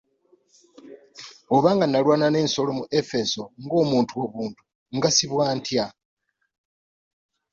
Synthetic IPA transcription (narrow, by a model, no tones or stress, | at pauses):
oβaːŋɡanalwaːnane̞ːnso̞lo̞muʔe̞fe̞so̞ŋɡo̞ːmuːntʰuo̞βuːntʰu̥ | ŋɡasiβwaːntʰja